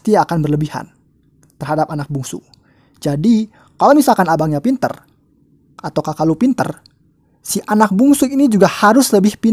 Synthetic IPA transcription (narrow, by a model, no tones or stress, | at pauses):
t̪iakanbərləbiha̰n | t̪ərɦadapanak̚buŋsʊ̰ | d͡ʒadi | kalowmisalkanabaŋɲapint̪ə̰r | ʔat̪awkakalupint̪ə̰r | siʔanak̚buŋsuinid͡ʒuɡahaɾʊsləbɪhpi